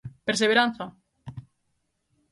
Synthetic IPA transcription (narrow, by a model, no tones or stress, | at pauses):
peɾs̬eβeɾan̟θa